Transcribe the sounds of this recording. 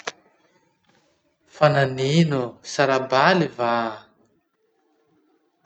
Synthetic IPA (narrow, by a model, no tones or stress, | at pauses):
fananinusaɾabaliva